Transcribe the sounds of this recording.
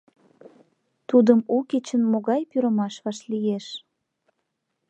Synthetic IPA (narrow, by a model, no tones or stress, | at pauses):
t̪ud̪əmuket͡ɕənmoɣɑjpyɾəmɑʃβɑʃlijeʃ